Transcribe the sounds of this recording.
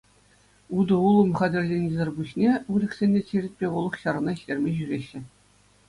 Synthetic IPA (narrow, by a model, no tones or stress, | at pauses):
ud̪ɤ̆ulˠɤ̆mχɑd̪ʲɘ̆rʲlʲenʲizʲɘrbuɕnʲeulʲɘ̆kʲsʲenʲːetʲʰerʲɘ̆t̪̚ʲpʲeʋulˠɤ̆χɕɑɾɤ̆nɑɕʲlʲerʲmʲeʑyɾʲeɕːɘ̆